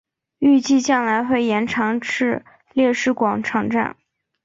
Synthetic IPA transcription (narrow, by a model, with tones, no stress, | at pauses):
y˥˧t͡ɕi˥˧t͡ɕjɑ˥˩ŋla˧˥ɪxwe˥˩ɪjɛ˧˥nʈ͡ʂʰɑ˧˥ŋʈ͡ʂɻ̩˥˧ | ljɛ˥˧ʂɻ̩˥˩kwɑ˨˩ŋʈ͡ʂʰɑ˧˥ŋʈ͡ʂa̰˥˩n